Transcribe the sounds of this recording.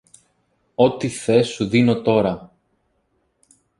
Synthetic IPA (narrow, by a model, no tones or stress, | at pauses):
o̞t̪iθe̞sːuðino̞t̪o̞ɾɐ